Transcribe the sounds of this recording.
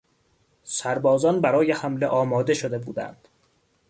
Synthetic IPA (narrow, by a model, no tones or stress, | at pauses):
sæɾbɒːzɒːnbæɾɒːjehæmleʔɒːmɒːd̪e̞ʃod̪e̞buːd̪æ̰nd̪̥